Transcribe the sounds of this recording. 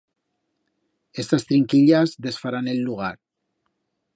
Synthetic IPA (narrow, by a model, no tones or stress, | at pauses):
est̪ast̪ɾiŋkiʎazðesfaɾanelːuɣ̞aɾ